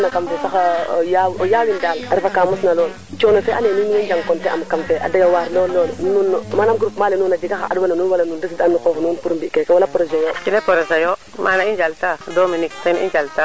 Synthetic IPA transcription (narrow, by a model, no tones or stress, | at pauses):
nakambusaxajawojaːwindalaɾifakamusnaloːn | t͡ʃonofɛʔanenuninind͡ʒaŋkɔntɛa̰mkamfɛʔa̰dajowaɾlɔːnlɔːlnunmanamɡɾupmalɛnuːnad͡ʒiɡaxa̰ʔa̰dwananunwalanundis̬idanːukɔxnunpuɾumbikɛkɛwalapɾɔzɛjokinepoɾɔsajo | manaind͡ʒaltadominiktanḭnd͡ʒalta